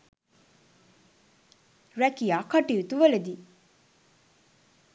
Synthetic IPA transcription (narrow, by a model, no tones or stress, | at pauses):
rækijakaʈiut̪uʋələd̪i